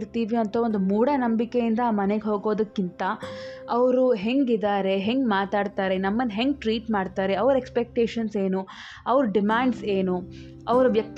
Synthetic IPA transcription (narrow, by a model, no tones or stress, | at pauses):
ɾt̪iːʋiɐnt̪ʰɐond̪umuːɽɐnɐmbikejind̪ɐːmɐneɡɦo̞ːɡo̞ːd̪ɐkːint̪ɐɐʋɾuɦe̞ŋɡid̪aːɾe̞ɦeŋɡmaːt̪aːɖt̪aːɾenɐmːɐnd̪ɦe̞ŋɡʈɾiːʈmaːɖt̪aːɾeɐʋɾekspek̚ʈeːʃɐnse̞ːnu | ɐʋɾuɖimaːɳɖse̞ːnu | ɐʋɾuʋjɐk̚t̪